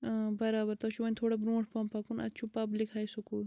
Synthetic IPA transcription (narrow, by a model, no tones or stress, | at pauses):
bɐɾaːbɐɾt̪ɐʃuʋɐnʲt̪ʰoːɽɐbɾũːʈʰpampɐkunɐ̰t͡ʃʰupɐblikhaːjsukuːl